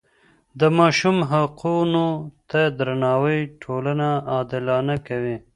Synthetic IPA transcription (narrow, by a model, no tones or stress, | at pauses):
d̪əmɑʃumɦaqunot̪ad̪ɾanɑwəjʈʰolanaɑd̪ɪlɑnakawi